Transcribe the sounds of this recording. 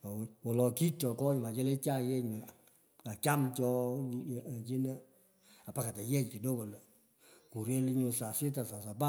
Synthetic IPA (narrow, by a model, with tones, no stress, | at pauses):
wɔ˨lɔ˨ki˦tɔ˨kɔ˦ɲ˨ma˨t͡ʃɛ˦le˦t͡ʃa˦jɛ˦ɲ˨ | ka˨ka˦mt͡ʃɔ˧˨ | t͡ʃi˦ne˦ | a˨pa˨ka˨tɛ˨jɛ˦ɲki˨do˦ko˨l | ku˨ɾe˦li˧˦ɲo˧sa˨sɪ˦ta˨sa˨sa˨ba˦